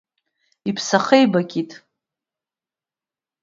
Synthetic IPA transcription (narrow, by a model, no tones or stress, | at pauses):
ipʰsaχejbakʲʼitʼ